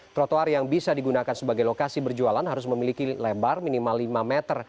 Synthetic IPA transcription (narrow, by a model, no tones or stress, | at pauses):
t̪ɾot̪oarjaŋbisadiɡunakansəbaɡajlokasibərd͡ʒualanɦaɾʊsməmilikilɛbarminimalːimamɛt̪ər